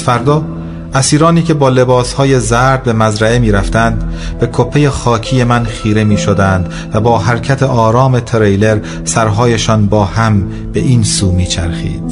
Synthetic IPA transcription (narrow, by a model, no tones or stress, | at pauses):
fæɾd̪ɒː | æsiːɾɒːniːcʰe̞bɒːle̞bɒːshɒːje̞zæɾd̪̚be̞mæzɾæe̞miːɾæft̪ænd̪be̞kʰopʰːe̞je̞xɒːcʰiːje̞mænxiːɾe̞miːʃod̪ænd̪ | væbɒːɦæɾcʰæt̪ʰeʔɒːɾɒːme̞t̪ʰɾejle̞ɾ | sæɾɦɒːjeʃɒːnbɒːhæm | b̥e̞ʔiːnsuːmiːt͡ʃʰæɾxḭːd̪̥